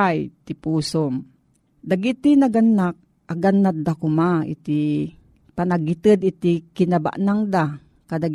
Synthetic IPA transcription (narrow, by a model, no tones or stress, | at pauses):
ajt̪ipuːsom | d̪aɡit̪inaɡanːak̚ | aɡanːat̪̚d̪akʊmaḭt̪i | panaɡit̪əd̪it̪ikinaba̰ʔnaŋd̪a | kad̪aɡ